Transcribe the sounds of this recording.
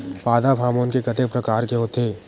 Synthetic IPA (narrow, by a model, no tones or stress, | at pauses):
paːd̪abʰʱaːmoːnkekɐt̪ek̚pɾɐkaːɾkeɦot̪eː